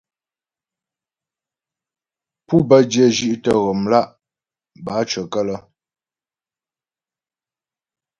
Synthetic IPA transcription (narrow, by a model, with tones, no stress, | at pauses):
pu˦bə˦dje˦˨ʒi˦˨ʔtə˦ɣɔ˨mla˦˨ʔ | ba˨˦t͡ʃə˨kə˦lə˦